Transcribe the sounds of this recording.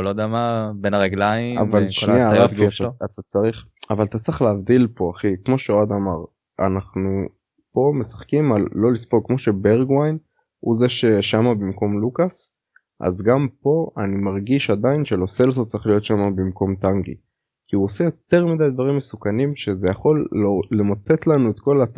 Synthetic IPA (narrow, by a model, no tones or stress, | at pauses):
lod̪eamabenaʁeɡlaiavalʃʃniaʁafiaaat̪at͡saʁiχavalat̪at͡sʁiχleavd̪ilpo̞aχikmo̞ʃeoad̪amaʁ | a̰naχnu | po̞me̞sḁχkimalːo̞lispolkmo̞ʃe̞beʁɡwajn | huzeʃeʃamabimko̞mlukas | ʔa̰zɡampo̞animaʁɡiʃad̪ainʃelo̞selzot͡saʁiχlijo̞t̪ʃamabimko̞mt̪aŋɡḭ | kiuose̞jo̞t̪e̞ʁmid̪ajd̪vaʁimːesukanimʃe̞zejaχo̞lːoːemot̪e̞t̪lanuet̪ko̞lat̪